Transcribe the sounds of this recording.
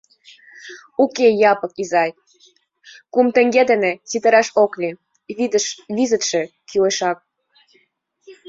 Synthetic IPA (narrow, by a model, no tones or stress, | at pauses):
ukejɑpɤ̆kizɑj | kumt̪ə̆ŋɡed̪enĕt͡sit̪ə̆ɾɑʃoklʲi | βid̪əʃβizə̆t̪ʃĕkyleʃɑk̚